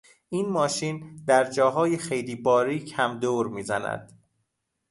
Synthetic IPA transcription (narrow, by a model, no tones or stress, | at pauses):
ʔinmɒːʃiːnd̪æɾd͡ʒɒːɦɒːjexe̞jliːbɒːɾiːcʰæmd̪oːɾmiːzæ̰næ̰d̪̥